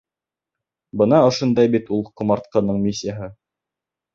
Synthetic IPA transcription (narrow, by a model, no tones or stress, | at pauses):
bɤ̆nɑŏʃŏnd̪ɑjbit̪ulˠqŏmɑɾt̪̚qɤ̆nɤɴmʲisʲːɪjaɦɤ